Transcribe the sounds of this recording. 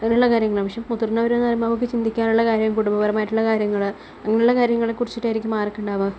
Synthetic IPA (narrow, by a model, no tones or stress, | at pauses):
ɐŋːɐnjuɭːɐkaːɾjɐŋːɐɭɐmɐʂjɐmːut̪ːurnːɐʋɐɾuenːɐrjmɐʋokːɨt͡ɕind̪ʱikʲːaːnuɭːɐkaːɾjɐmkuɽumbɐʋɐɾɐmaːjiʈːuɭːɐkaːɾjɐŋːɐɭ | ɐŋːɐnjuɭːɐkaːɾjɐŋːɐɭekurit͡ɕːiʈːaːjiɾikʲːumaːrɐkːuɳɖaːʋɐ